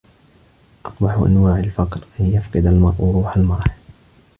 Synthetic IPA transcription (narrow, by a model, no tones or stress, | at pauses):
ʔɑqbɑħʔa̰nwaːʕalfɑqɾʔanjafqɨd̪almɑɾˤʔuɾˤuːħalmɑɾˤħ